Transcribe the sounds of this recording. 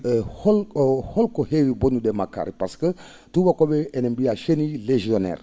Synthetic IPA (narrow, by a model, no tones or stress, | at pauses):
holholkohewibonudemaka̰ɾipaskə | tubakobeenembiaʃenileʒionḛːr